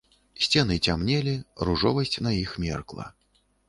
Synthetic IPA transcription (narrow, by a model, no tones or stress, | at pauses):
sʲt͡sʲɛnɨt͡sʲamnʲɛlʲiruʐɔ̰vɐsʲt͡sʲnajixmʲɛ̰rklˠɐ̰